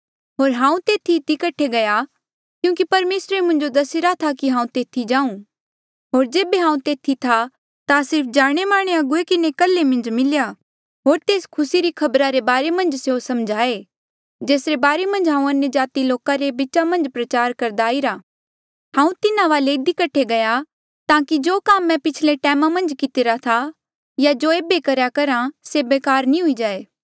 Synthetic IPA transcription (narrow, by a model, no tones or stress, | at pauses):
ɦoːɾɦãːũt̪eːt̪ʰiːt̪ikɐʈʰeɡɐja | kjũːkipɐɾmeːsɾemʊ̃nd͡ʒod̪ɐsɪɾat̪ʰakiɦãːũt̪eːt̪ʰid͡ʒãːũ | ɦoːɾd͡ʒeːbeɦãːũt̪eːt̪ʰit̪ʰa | t̪asɪɾp̚ʰd͡ʒaːɽ̃emaːɽ̃eɐɡʊekɪnekɐlːemɐ̃nd͡ʒmɪlja | ɦoːɾt̪eːskʰʊsiɾikʰɐbɾaɾebaːɾemɐ̃nd͡ʒseosɐmd͡ʒʱaːe | d͡ʒeːsɾebaːɾemɐ̃nd͡ʒɦãːũɐnjəd͡ʒaːt̪iloːkaɾebɪt͡ʃamɐ̃nd͡ʒpɾɐt͡ʃaːɾkɐɾd̪aːiɾaː | ɦãːũt̪ɪnaʋaːleɪd̪ikɐʈʰeɡɐja | t̪ãːkid͡ʒoːkaːmːɛ̃pɪt͡ʃʰleʈɛːmamɐ̃nd͡ʒkɪt̪ɪɾat̪ʰa | jad͡ʒoːeːbekɐɾjakɐɾãsebeːkaːɾnĩɦʊid͡ʒaːeː